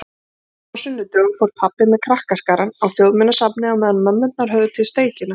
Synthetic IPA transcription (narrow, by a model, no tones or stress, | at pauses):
awsʏnːʏt̪œːɣʏfowɾ̥pʰapːɪmɛðkʰɾahkaskaːɾanawθjowðmɪnːasapnɪawmɛːðanmœmːʏnt̪̚naɾ̥ɦœɣðʏt̪ʰvɪlst̪eːjcɪna